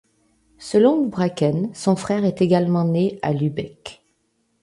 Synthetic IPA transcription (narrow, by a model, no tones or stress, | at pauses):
səlɔ̃ləbʁakɛnsɔ̃fχɛʁɛt̪eɡalmɑ̃nea̰lybɛk